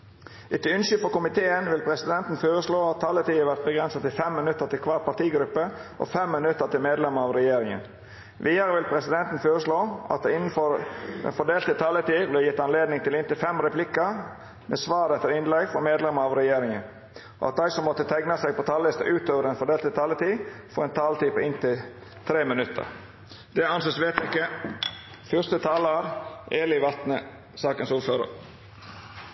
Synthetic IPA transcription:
ʔɪt̪ːəʏnʃʏfɔkʊmɪt̪ʰeːənʋɪlpʰɾɛsɪd̪ɛnt̪n̩føːɾəsloːɑt̪ʰːɑlːət̪ʰiːʋæɾt̪̚bəɡɾɛnsɑt̪ɪlfɛmːənʉt̪ːəɾt̪ɪlkʰʋɑːɾ̚pɑt̪iːɡɾʉpːəʔɔ̰fɛmːɪnʉt̪ːət̪ɪlmeːd̪lɛməɾɑʋɾɛjeːɾɪŋə̰n | ʋʔiːəɾəʋɪlpʰɾɛsɪd̪ɛnt̪n̩føːɾəsloːʔɑ̰t̪̚ɪnn̩fɔɾd̪ɛ̰nfɔɖ̪eːlt̪ət̪ʰɑlːət̪iːblɛjɪt̪ːɑnleːd̪nɪŋt̪ʰɪlɪnt̪ɪlfɛmɾɛpʰlɪkə | mesʋɑːɾɛt̪ːəɾɪnlɛɡfɔɾmeːd̪lɛməɾɑʋɾɛjeːɾɪŋən | ʔɔ̰ɑ̰t̪̚d̪æɪsɔmːɔt̪ːət̪ʰæɪɡnɑsɛɡ̚pʰɔt̪ʰɑːlɪst̪ə̰ʔʉːt̪oːʋəɾɛnfɔɖeːlt̪ət̪ʰɑlət̪iːfɔɾɛnt̪ʰɑːlət̪ʰiːpʰɔɪnt̪ɪ | t̪ʰɾeːmənʉt̪ʰːə̰ɾ | d̪̥ɛɑnseːsʋeːt̪jɪkːə | fʏɾst̪ət̪ʰɑːləɾʔeːlɪʋɑt̪nə | sɑːkənsuːɾføːɾə̰ɾ

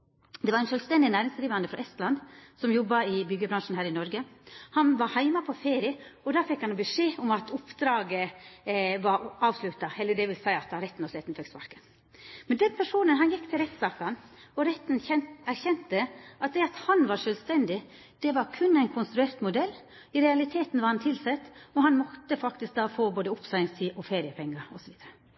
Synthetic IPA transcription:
d̪ɛʋɑɾæɪnʃœːlst̪ɛnd̪ɪnæːɾɪŋsd̪ɾiːʋɑnd̪əfɾɑ̰ʔɛst̪lɑnd̪sɔmjɔbːɑɪbʏɡəbɾɑŋʂn̩hæːɾɪnɔɾɡəhɑnʋɑɾhæɪmɑpʰɔfeːɾɪəɔd̪ɑːfɛkːhɑnobəʂeːʊmɑt̪ʊpd̪ɾɑːɡə | ʋɑɾɑːʋslʉt̪ɑɛlːəɖɛʋɪlsæɪɑt̪̚d̪ɑɾɛt̪ːnɔsɛt̪nfɛksʋɑ̰ɾkə̥ | mɛnd̪ɛnpʰæʂuːnənɦɑnjɛkːt̪ʰɪlɾɛt̪sɑːkɑnɔɾɛt̪ːnɛæɾçɛnt̪əʔɑt̪̚d̪ɛɑt̪hɑnʋɑɾʂøːlst̪ɛnd̪ɪ | d̪̥ɛʋɑɾkʰʉnːæɪnkʰʊnst̪ɾʉeːɾt̪mʊd̪ɛlː | ɪɾɛɑlɪt̪ʰeːt̪n̩ʋɑɾhɑnt̪ʰɪlsɛt̪ːɔɦɑnmɔt̪ːəfɑkt̪ɪsk̚d̪ɑːfoːboːd̪əʊpsɑɪŋst̪ʰiːʔɔfeːɾɪəpʰɛŋːɑɾɔsɔʋiːd̪əɾə

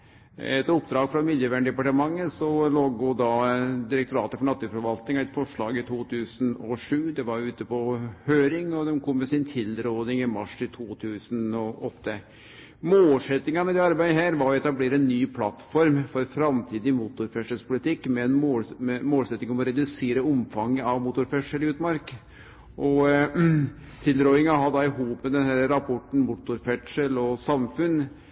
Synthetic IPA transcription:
ɛ̰t̪ɔpːd̪ɾɑːɡfɾɑmɪd̪jəʋæːɳɖ̪ɛpɑʈəmɑŋːəsɔloːɡud̪ɑd̪ɪɾək̚t̪ʊɾɑ̰ːt̪əfɔɳɑt̪ːʉfɔɾʋɑlt̪nɪŋɑɛt̪fɔʂɭɑːɡɪt̪ʰuːt̪ʰʉːsənɔʂʉːd̪ɛʋɑɾjʊʉːt̪əpɔhøːɾɪŋɔd̪ɛmkʰɔmːɛsɪnt̪ʰɪlɾoːd̪ɪŋɪmɑʂɪt̪ʰuːt̪ʰʉːsənɔʔɔt̪ːə | moːlsɛt̪ːɪŋɑmɛd̪ɛːɑɾbæɪd̪əɦæːɾʋɑɾɔɔɛt̪ɑbleːɾəɛnːyːpʰlɑt̪ːfɔɾmfɔɾfɾɑmt̪ʰiːd̪ɪmuːt̪ʊɾfɛʂəlspʰʊlɪt̪ɪkːmɛɛnomoːlsɛt̪nɪŋɔmɔɾɛd̪ʉseːɾəɔmfɑŋːəɑʋmuːt̪ʊɾfɛʈʂəlɪʉːt̪mɑɾk | ʔɔ | t̪ʰɪld̪ɾoːɪŋɑɦɑd̪ɑɪɦuːpmɛd̪ɛnhæɾəɾɑpʰɔʈːɳ̩muːt̪ʊɾfɛʈʂəlɔsɑmfʉn

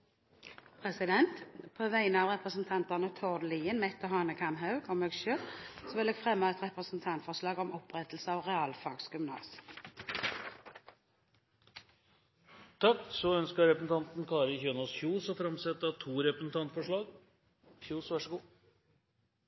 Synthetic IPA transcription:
pʰʁɛsɪd̪ɛnt̪pʰoːʋæɪənəɑːʋʁɛpʁəsn̩t̪ʰɑnt̪ɑnət̪ʰɔd̪liːənmɛt̪ːɔɦɑːnəkʰɑmɦɑʉɡʰɔmeːɡʃøːlsɔʋɪleːɡfʁɛmːɑɛt̪ʁɛpʁəsn̩t̪ʰɑnt̪fɔʁʂlɑːɡɔmɔpʁɛt̪lsəɔːʁɛɑːlfɑɡsɡʉmnɑ̰ːs | t̪ʰɑkːsɔœnskəɾɛpəsn̩t̪ɑnt̪nkʰɑːɾəçøːnɔsçuːsɔfɾɑmsɛt̪ːɑt̪ʰuːɾɛpɾəsn̩t̪ʰɑnt̪fɔʂɭɑːɡ | çjuːsʋæʂəɡuː

